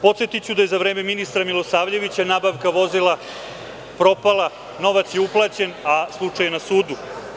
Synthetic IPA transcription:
po̞t̪set̪it͡ɕud̪aje̞zaʋɾe̞ːmeminist̪ɾamilˠosaːʋʎe̞ʋit͡ɕanaːbaʋkaʋo̞zilˠa | pɾo̞palˠa | no̞ʋat̪sje̞uplˠaːt͡ɕe̞naslˠut͡ʂajenasuːd̪u

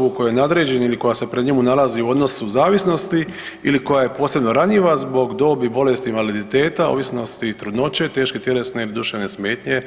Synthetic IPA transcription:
uko̞jojenad̪ɾed͡ʑeniliko̞jase̞pɾeɲemunalaziuo̞d̪no̞suzaːʋisno̞st̪i | iliko̞jaje̞po̞ːse̞bno̞ɾaɲiʋazbo̞ɡd̪o̞ːbibo̞le̞st̪inʋalid̪it̪e̞ːt̪ao̰ʋisno̞st̪it̪ɾud̪no̞t͡ɕe̞t̪e̞ːʃket̪jelesneilid̪uʃenesmeːt̪ɲe

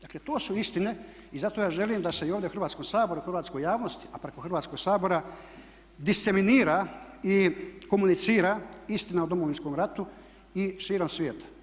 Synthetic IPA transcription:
d̪aklet̪oːsuist̪ine̞ | izat̪ojaːʒe̞limd̪ase̞ioːʋd̪eoxrɾʋaːt̪skomsaːbo̞ɾuxrʋaːt̪sko̞jaːʋnost̪i̥apɾe̞koxrʋaːt̪sko̞ɡsaːbo̞ɾa | d̪ist̪se̞miniːɾaiko̞munit̪siːɾaist̪inaud̪omoʋinskomɾat̪u | iʃiːɾomsʋjeːt̪ʰḁ

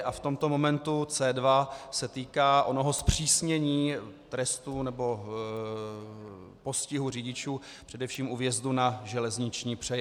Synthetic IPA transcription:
ʔaft̪o̞mt̪o̞mo̞mɛnt̪ut͡sɛːdvasɛt̪iːkaːʔo̞no̞ɦospr̝̥iːsɲɛɲiːt̪ɾɛst̪unɛbo̞ | po̞scɪɦuriɟɪt͡ʃuː | pr̥ɛdɛfʃiːmʔuvjɛzd̪unaʒɛlɛzɲɪt͡ʃɲiːpr̥ɛjɛ

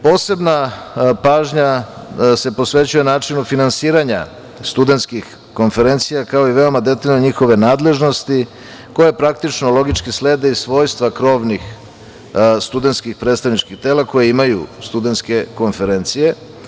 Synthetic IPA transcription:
po̞ːse̞bnapaːʒɲase̞po̞sʋe̞t͡ɕujenaːt͡ʂinufinansiːɾaɲa | st̪ud̪e̞nt̪skix | ko̞nfe̞ɾe̞nt̪sijakao̞iʋe̞o̞mad̪e̞t̪aʎnoɲixo̞ʋe̞naːd̪le̞ʒno̞st̪i | ko̞jepɾak̚t̪it͡ʃnolˠo̞ɡit͡ʃkisle̞ːd̪eisʋo̞ːjst̪ʋakɾo̞ʋnix | st̪ud̪et̪skixpɾet̪st̪aʋnit͡ʃkixt̪e̞ːlako̞jeimajṵst̪ud̪e̞nt̪ske̞ko̞nfe̞ɾent̪sije̞

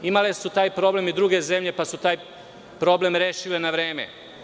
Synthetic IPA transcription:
imale̞sut̪aːjpɾo̞ble̞mid̪ɾuːɡe̞ze̞mʎe̞pasut̪aːj | pɾo̞ble̞mɾe̞ːʃilenaʋɾe̞ːme̞̰

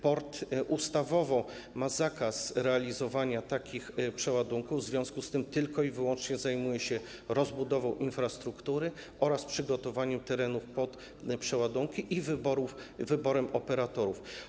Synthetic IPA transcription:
pɔɾt̪ʔust̪avɔvɔ | mazakasɾɛalʲizɔvaɲat̪akʲixpʂɛwad̪uŋkuvzvʲjɔ̃skust̪ɘmt̪ɘlkɔivɘwɔnt͡ʂɲɛzajmujɛɕɛ | ɾɔzbud̪ɔvɔ̃w̃ʔinfɾast̪ɾukt̪uɾɘʔɔɾaspʂɘɡɔt̪ɔvaɲɛmt̪ɛɾɛnufpɔt̪ | pʂɛwad̪uŋkʲiʔivɘbɔɾufvɘbɔɾɛmɔpɛɾat̪ɔɾuf

